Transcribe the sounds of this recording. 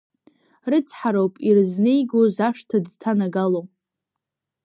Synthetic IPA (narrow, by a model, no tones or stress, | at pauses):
rɨt͡sʰʼħaɾowpʼirznejɡozaʂtʰadtʰanaɡalo